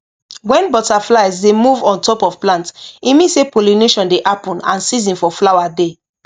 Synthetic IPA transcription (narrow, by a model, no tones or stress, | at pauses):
wɛ̃nbɔtaflaɪzdemuvɔ̃ntɔpɔv̥plãntimĩsepolineʃɔ̃ndeʔapɔ̃nã̰nsizĩnfɔflawade